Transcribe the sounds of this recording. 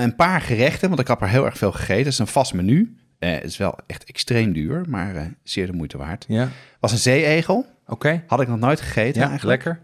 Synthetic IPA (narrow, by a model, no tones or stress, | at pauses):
ənpaːɹχərɛχtənʋɑntɪkɑpaːɹɦɪːlˠɛ̰ɹχfeːlˠχəχejtənsənv̥ɑsmany̰ | ɪsʋɛ̰lˠɛχtɛkstrejmdyːɹma̰ːɹsɪːɹdəmujtəʋa̰ːɹtʋɑsənzejejχəlˠ | okejhɑdɪk̚nɔχnojtχə̥χejtənɛjəəlɛkəɹ